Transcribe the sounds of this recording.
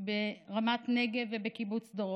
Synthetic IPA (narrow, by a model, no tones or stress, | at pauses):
beʁamat̪neɡevebekibut͡sd̪oʁ